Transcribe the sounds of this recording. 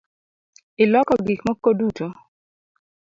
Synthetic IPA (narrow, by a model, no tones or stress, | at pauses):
ɪlɔkɔɡikmɔkoduto